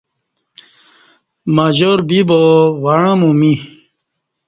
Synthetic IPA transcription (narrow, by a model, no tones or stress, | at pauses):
maʑoɾbibowaɳãmũmi